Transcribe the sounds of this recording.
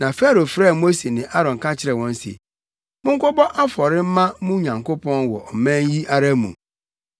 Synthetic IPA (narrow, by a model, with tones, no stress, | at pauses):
nã˨fɛ˦ɾo˨fɾɛː˦˨mo˦se˨nɪ̃˨ʔa˦ɾɔ̃˨ŋ˨kʰa˦t͡ɕʰɪ˦ɾɛ˨wɔ̃˦n˦sḛ˨ | mʊ̃˦ŋ̩˦kʊ˦bɔ˦ʔa˦fɔ˨ɾɪ˦m̩˦mã˦mũ˦ɲã˨ŋko˦pʰɔ̃˦nwɔ̰˨ʔɔ˨mæ̃˦n˦ji˦ʔa˦ɾa˦mṵ̃˨